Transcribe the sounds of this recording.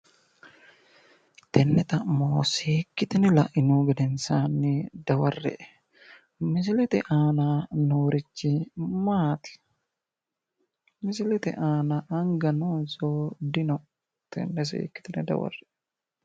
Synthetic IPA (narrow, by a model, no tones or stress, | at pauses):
t̪ɛnːɛt̪ɐmoːseːkːɪt̪ɛnɛlɐʔɪnoːɡɐd̪ɛnsaːnːɪd̪ɐwɐrːɛ̰ʔ | mɪs̬ɪlɛt̪ɛʔaːnanoːɾɪt͡ʃːɪmaːt̪ɪ̥ | mɪs̬ɪlɛt̪ɛ̰ʔaːnaʔɐŋɡɐnoːnsod̪ɪnɔ | t̪ɛ̰nːɛs̬ḛːkːɪ̥t̪ɛnɛd̪ɐ̰wɐ̰rːɛ